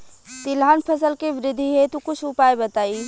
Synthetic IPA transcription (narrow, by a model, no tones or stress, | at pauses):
t̪ɪlɦaːnpʰəs̬əlkeʋɪɾɪd̪ʱːiɦɛt̪ukʊt͡ʃʰʊpaːebɐt̪aːiː